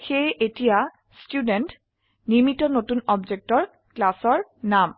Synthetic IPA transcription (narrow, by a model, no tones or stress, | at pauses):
xejʔetija | stjudent | nimitɔnotunɔbd͡ʒek̚tɔɹ | klasɔɹnam